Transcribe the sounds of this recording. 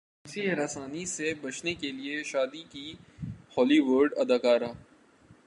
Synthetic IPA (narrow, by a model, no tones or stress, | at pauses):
siɾɐːsaːnisebɐt͡ʃʰnekelieʃaːd̪ikihɔːliʋʊɾɖɐd̪aːkaːɾaː